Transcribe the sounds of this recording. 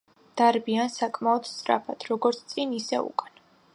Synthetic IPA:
d̪̥aɾbiansakʼmaɔd̪st̪ʼɾa̰pʰat̪ʰɾɔɡɔɾt̪sʰt̪sʼinisɛ̰ṵkʼan

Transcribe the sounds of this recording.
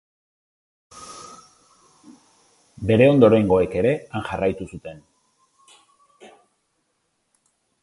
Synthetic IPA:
be̞ɾe̞o̞nd̪oɾajŋɡo̞e̞ke̞ɾe̞aŋʝarajt̪usut̪e̞n

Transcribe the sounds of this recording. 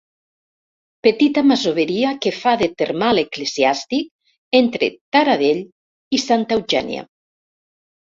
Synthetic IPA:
pet̪it̪amazoβeɾiakefaðet̪eɾmalekleziast̪ik̚ | ent̪ɾḛt̪aɾaðeʎ | isant̪ewʒɛ̰nj̰a̰

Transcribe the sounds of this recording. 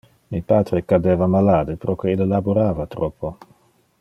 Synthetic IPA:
mipaːt̪ɾekad̪eːvamalaːd̪epɾokeilelaboɾaːvat̪ɾɔpʰːo

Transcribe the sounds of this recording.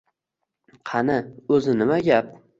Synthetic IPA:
qʰɑnɪɵzɪnɪmaɡʲap̚

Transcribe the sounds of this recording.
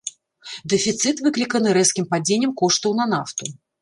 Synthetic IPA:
d̪ɛfʲit̪sɨt̪vɨklʲikɐnɨɾɛskʲimpad͡zʲenʲːɛmkɔʂt̪ɐwnɐnaft̪u

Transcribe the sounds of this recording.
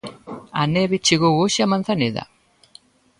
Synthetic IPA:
aneβit͡ʃiɣoɣoʃiamanθaneða̰

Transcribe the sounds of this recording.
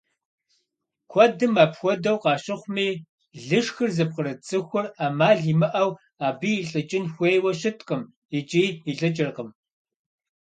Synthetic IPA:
kʷʰɔdɨmaːpxʷɔdɐwqɑːɕɪχʷmiː | ɮɨʂxɨrzɐp̚qəɾɐt͡sʼɨxʷʊraːmaːɮiːmɨʔɐw | aːbiːɬʼɨt͡ʃʼɪnxʷejwɐɕɪtʰʼqəm | it͡ʃʼiːiɬʼɨt͡ʃʼɪrqəm

